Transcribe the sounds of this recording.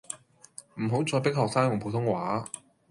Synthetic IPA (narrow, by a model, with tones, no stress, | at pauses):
m̩˨˩ɦo˨˥wt͡sɔː˨˧pɪ˥k̚ɦɔː˨k̚saː˥ŋjʊ˨˩ŋpʰo˨˧wt̪ʰʊ˥ŋwaː˨˥